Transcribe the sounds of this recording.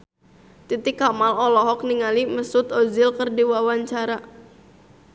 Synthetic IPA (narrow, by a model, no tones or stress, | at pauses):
t̪it̪ɪkːamalɔlɔɦɔk̚niŋaliməsʊt̪ozɪlkərdiwawaɲt͡ʃaɾa